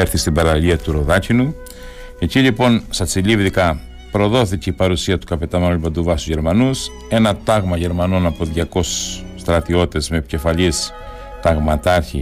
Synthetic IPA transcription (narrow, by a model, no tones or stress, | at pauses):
eɾθist̪ibɐɾɐʎiɐt̪uɾo̞ðɐcinu | e̞ciʎipo̞nsɐt͡silivðikɐ | pɾo̞ðo̞θiceipɐɾusiɐt̪u̥kɐpe̞t̪ɐmenulubɐd̪uvɐst̪uzʝe̞ɾmɐnus | e̞nɐt̪ɐɣmɐʝe̞ɾmɐno̞nɐpoðʝɐko̞sː | t̪ɾɐt̪io̞t̪e̞zme̞ce̞fɐʎis | t̪ɐɣmɐt̪ɐɾçḭ